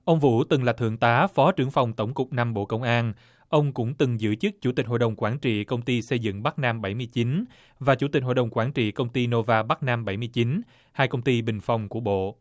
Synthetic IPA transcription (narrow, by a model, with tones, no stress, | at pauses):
ʔə˧wŋ͡mvṵ˧˥t̪ɨ˨˩ŋlaː˨˩t̪ʰɨ̰˧˨əŋt̪aː˨˦fɔ˨˦t͡ɕɨ˨˩əŋfa˨˩wŋ͡mt̪ə˧˩wŋ͡mkʊ˨˩k͡p̚na˧mɓo̰˧˨kə˧wŋ͡mʔaː˧n | ʔə˧wŋ͡mkʊ̰˧˥ŋ͡mt̪ɨ˨˩ŋzɨ̰˧˥t͡ɕɨ˦˥k̚t͡ɕu˧˩t̪i˨˩k̟ɦo̰˧˨jɗə˨˩wŋ͡mkwaː˧˩nt͡ɕḭ˧˨kə˧wŋ͡mt̪i˧sə˧jzɨ̰˧˨ŋɓa˦˥k̚naː˧mɓa˧˩jmɨ˧əjt͡ɕi˨˦n | vaː˨˩t͡ɕu˧˥t̪i˨˩k̟̚ɦo̰˧˨jɗə˨˩wŋ͡mkwaː˧˩nt͡ɕḭ˧˨kə˧wŋ͡mt̪i˧no˧vaː˧ɓa˦˥k̚naː˧mɓa˧˩jm˧əjt͡ɕi˨˦n | haː˧jkə˧wŋ͡mt̪i˧ɓï˨˩ŋ̟fa˨˩wŋ͡mku˧˩əɓo̰˧˨